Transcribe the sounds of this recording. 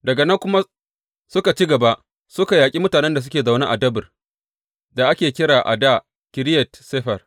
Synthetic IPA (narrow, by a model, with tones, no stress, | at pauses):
dɐ˨ɡa˨nɐ˦ŋkʷʊ˦ma˦ | sʊ˦ka˨t͡ʃi˦ɡɐ˨ba˦ʔ | sʊ˦ka˨jaː˨kʲʼi˦mʊ˦taː˨nɛ˦nda˨s̬ʊ˦kʲeː˨za˨na˦ʔa˨dɐ˦bɪ˨r | da˨ʔa˦kʲeː˨kʲɪ˦ɾaː˨ʔa̰˨da˦˨ | kʲɪ˨ɾɪ˦jɛ˨tseː˦ɸɐ˨r